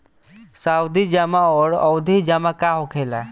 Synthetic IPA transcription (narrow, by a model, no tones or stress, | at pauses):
saːwd̪id͡ʒamãɔːɾɔ̰wd̪ʱid͡ʒaːmãkaɦokʰela